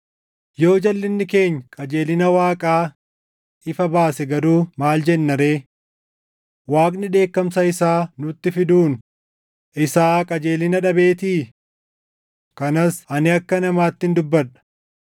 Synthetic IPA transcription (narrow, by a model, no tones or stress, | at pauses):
jo̞ːd͡ʒɐlːɪnːɪke̞ːɲːɐkʼɐd͡ʒe̞ːlɪnɐwaːkʼaː | ɪfɐbaːsɛɡɐɾuːmaːld͡ʒɛnːɐɾe̞ː | waːkʼnɪᶑe̞ːkːɐmsɐɪsaːnʊt̪ːɪfɪd̪uːn | ʔɪsaːkʼɐd͡ʒe̞ːlɪnɐᶑɐbe̞ːt̪iː | kɐnɐsɐnɪɐkːɐnɐmaːt̪ːɪnd̪ʊbːɐᶑɐ̥